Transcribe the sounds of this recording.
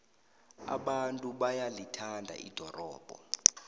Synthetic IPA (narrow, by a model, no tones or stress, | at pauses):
a̰ɓantʼuɓajalitʰandʱa̰ʔḭd̥ʱɔrɔːb̥ʱɔ̰